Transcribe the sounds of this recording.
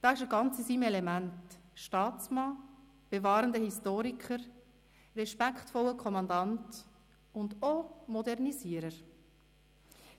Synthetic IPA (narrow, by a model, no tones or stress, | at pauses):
d̥ɑːɪʃəɡɑnt͡səsimɛlɛmæntʃtɑːtt͡smɑː | b̥evɑːɾəndəhistoːɾikʰəɾ | rɛʃpækχtfɔləkʰɔmɑndɑnt | ʊndomɔdɛʁniziəɾəɾ